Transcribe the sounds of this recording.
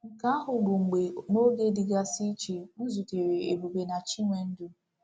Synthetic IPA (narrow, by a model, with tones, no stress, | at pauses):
ŋ̩˨ka˦ɦʊ˨ɾu˨ŋ͡m̩˨ɡ͡be˨no˦de˦di˨ɡa˦si˦t͡ʃe˨u˦zu˨te˨ɾe˨e˨bu˨be˨na˨t͡ʃi˦ŋʷe˨n̩˦du˦